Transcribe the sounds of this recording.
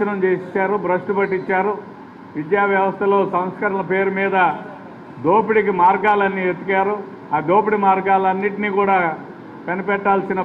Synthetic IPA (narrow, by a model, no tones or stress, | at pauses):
ɐnɐmt͡ʃeːsit͡ʃːaːɾubɾɐʂʈupɐʈːit͡ʃːaːɾu | ʋid̪jaːʋjɐʋɐst̪ʰɐlo̞ːsɐw̃skɐɾɐlɐpe̞ːɾumiːd̪ɐ | d̪oːpiɽik̬imaːɾɡaːlɐnːiːet̪ːukaːɾu | aːd̪o̞ːp̬iɽimaːɾɡaːlɐnːiʈ̬niːkuːɽaː | kɐnipɛʈːaːlsinɐ